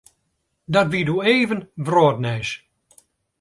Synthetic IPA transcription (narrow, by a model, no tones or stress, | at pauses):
dɔtʋiduːeːvənvroːtnɛːs